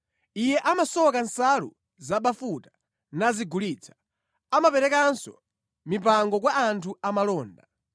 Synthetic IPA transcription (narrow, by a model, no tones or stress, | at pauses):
ijɛʔamasɔkansalṵ | zaɓafutḁ | naziɡulit͡sʰḁ | amapɛɾɛkansɔ̰ | mipaŋɡɔk̬waːntʰuamalɔːnda